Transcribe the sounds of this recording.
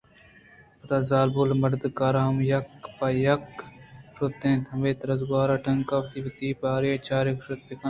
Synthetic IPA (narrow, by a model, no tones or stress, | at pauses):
pɐt̪aːzaːlbolmɐɾd̪kaːɾaːmjɐkpajɐkʃot̪ːẽːt̪ʰɐmeːt̪ɾɐzɡaːɾaːʈɐŋkaːʋt̪iːʋɐt̪iːpaːɾeːt͡ʃaːɾekʃot̪̚peka